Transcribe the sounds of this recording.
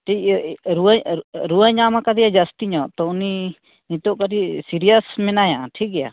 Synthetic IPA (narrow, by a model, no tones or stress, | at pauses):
ʈʰikɾuɾuaɲamakad̪ɛjad͡ʒast̪iɲɔʔt̪ɔuni | nit̪ɔʔkaɾisiɾijəsmɛnajaaʈʰik̚ɡɛja̰